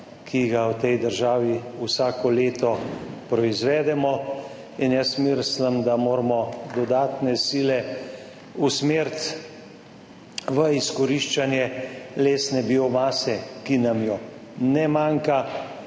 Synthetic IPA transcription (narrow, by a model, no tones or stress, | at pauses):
kʰiɡawt̪ɛjd̪əɾʒaːʋiusaːkɔleːt̪ɔpɾɔizʋɛːd̪ɛmɔ | injasmiɾsləmd̪amoːɾmɔd̪ɔd̪aːt̪nɛsiːlɛ | usmeːɾt̪ | ʋəiskɔɾiʃt͡ʃanjɛleːsnɛbiɔmaːsɛkinamjɔnɛmaːŋka